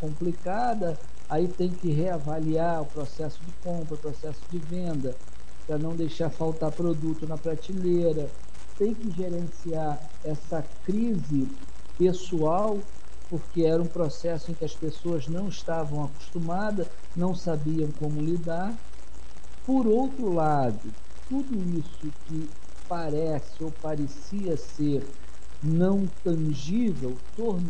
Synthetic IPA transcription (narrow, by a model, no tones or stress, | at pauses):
kõmplika | d̪ɐ | ait̪ẽj̃kɪɦeavaliaɾʊpɾosɛsʊd͡ʒɪkõmpɾɐʊpɾosɛsʊ̥d͡ʒɪvẽnd̪ɐ | pɾɐnɐ̃w̃d̪ejʃaɾfawt̪aɾpɾod̪ut̪ʊnɐpɾat͡ʃileɾɐ | t̪ẽj̃kɪʒeɾẽsiaɾ | ɛsɐ | kɾizɪ | pesuaw | poɾkeɛɾɐũpɾosɛsʊẽj̃kɪɐspesoɐznɐ̃w̃iʃt̪avɐ̃w̃aku̥ʃt̪umad̪ɐs | nɐ̃w̃sabiɐ̃w̃kõmʊlid̪aɾ | poɾowt̪ɾʊla | d̪ʊ | t̪ud̪ʊisʊkɪ | paɾɛ | sɪowpaɾesiɐseɾ | nɐ̃w̃t̪ɐ̃ʒivewt̪oɾ